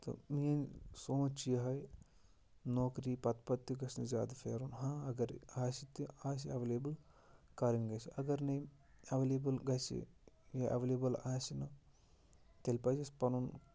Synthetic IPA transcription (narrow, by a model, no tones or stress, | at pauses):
t̪o̰mijɐnsoːt͡ʃijɐɦɐj | noːkɾiːpɐt̪pɐt̪ːuɡɐsnizja̰ːd̪ɐfḛːɾunɦãːɐɡɐɾaːsit̪iaːs̬iɐʋleːbɐl | kaːɾinɡɐsiʔɐɡɐɾnɐj | ɐʋeleːbɐlɡɐsḭ | eʔɐʋeleːbɐlaːsinɐ | t̪elʲpɐd͡ʒɐspɐnun